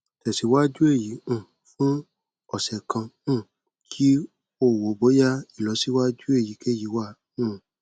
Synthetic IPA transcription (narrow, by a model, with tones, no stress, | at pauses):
tɛ˨si˨˦wa˦d͡ʒu˦e˦˨jĩ˨˦˨ | fũ˦ | ɔ˨sɛ˨kã˧ũ˦˨ | kʰi˦ | o˦˨wo˨bo˨˦ja˦i˦˨lɔ˨˦si˦wa˦d͡ʒu˦e˦˨ji˨˦ke˦˨ji˨˦wa˦˨ | ũ˦˨